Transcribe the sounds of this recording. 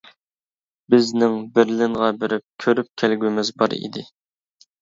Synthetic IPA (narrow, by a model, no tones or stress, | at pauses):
bɪznɪŋbɪɾlɪŋʁɑbɪɾɪp̚kʲʰøɾyp̚kʲʰælɡʲymɪzbɑ̰ɾḭd̪ɪ